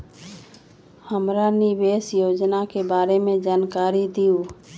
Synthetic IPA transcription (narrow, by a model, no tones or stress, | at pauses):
həmɾaniʋeːsjoːd͡ʒnakebaːɾemẽd͡ʒaːnkaːɾid̪ijuː